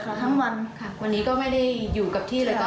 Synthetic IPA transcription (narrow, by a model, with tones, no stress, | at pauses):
kʰa˧˩t̪ʰa˦˥ŋwa˧nkʰa˧˥˩waː˧nːiː˦˥kɔː˥˩ma˥˩jda˥˩jjuː˨˩ka˨˩p̚t̪ʰiː˥˩lɤː˧˩kː